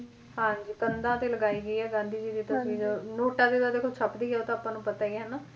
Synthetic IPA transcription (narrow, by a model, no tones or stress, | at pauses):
ɦãːɲd͡ʒiːkənd̪ãːt̪eːləɡaːiːɡəiːɛːɡãːnd̪iːd͡ʒiːd̪iːt̪əsĩːd͡ʒənoːʈãːd̪eːd̪aːd̪eːkʰoːt͡ʃʰəpd̪iːɡɛoːt̪ãːaːpãːnũːpət̪aːiɛɦɛnaː